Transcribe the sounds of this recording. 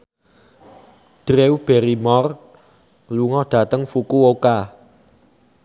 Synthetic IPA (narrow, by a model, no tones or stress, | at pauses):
d̥ɾewb̥ɛɾimɔr | luŋɔɖ̥ä̤t̪əŋfukuoka